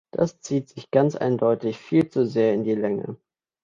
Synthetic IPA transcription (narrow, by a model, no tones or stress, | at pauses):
d̥a̰st͡siːtz̥ɪçɡ̥ant͡sʔa̰ɪndɔʏtɪçfiːlt͡suzeːɐɪndiːlɛŋə̰